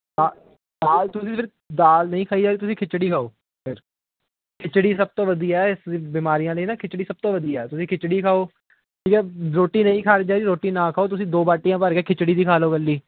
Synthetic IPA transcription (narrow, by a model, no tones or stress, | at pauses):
d̪aː | d̪aːlt̪ʊsĩːpʰɪɾ | d̪aːlnəĩːkʰaːiːd͡ʒaːiːt̪ʊsĩːkʰɪt͡ʃɽiːkʰaːoː | pʰɪɾ | kʰɪt͡ʃɽiːsəb̚t̪õːʋəd̪iːɛːɪsiːbiːmaːɾijãːləiːnaːkʰɪt͡ʃɽiːsəb̚t̪õːʋəd̪iːɛːt̪ʊsĩːkʰɪt͡ʃɽiːkʰaːoː | ʈʰiːkɛːɾoːʈːiːnəĩːkʰaːɾid͡ʒaːɾiːɾoːʈːiːnãːkʰaːoːt̪̬ʊsĩːd̪oːbaːʈijãːpəɾkeːkʰɪt͡ʃɽiːd̪iːkʰaːloːɡəlːiː